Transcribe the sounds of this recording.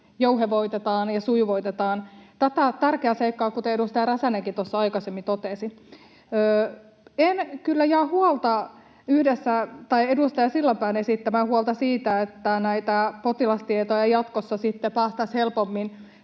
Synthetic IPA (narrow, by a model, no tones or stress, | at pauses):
jouɦeʋoit̪et̪ɑːnjɑsuiʋoit̪et̪ɑːnt̪æt̪æt̪ærkeæːseikːɑːkut̪eedust̪ɑjɑɾæsæneŋkit̪osːɑɑikɑsemːit̪ot̪esi | øː | enkylːæjɑːhuolt̪ɑ | yhdesːæt̪ɑiedust̪ɑjɑsilːɑmpæːnesit̪ːæmæhuolt̪ɑsiːt̪æet̪ːænæit̪æpot̪ilɑst̪iet̪ojɑjɑt̪kosːɑsit̪ːepæːst̪ɑshelpomːin